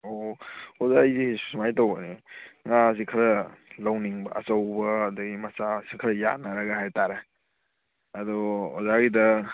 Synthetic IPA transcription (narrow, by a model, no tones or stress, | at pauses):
oozaizissumajtowɐniŋas̬ikʰɐɾɐlawniŋbɐ̰ɐ̰t͡ʃɐwbɐːdɐɡimɐsasikʰɐɾɐja̰t̚naɾɐɡɐhajtaɾe | ɐdɔo̰zaɡidɐ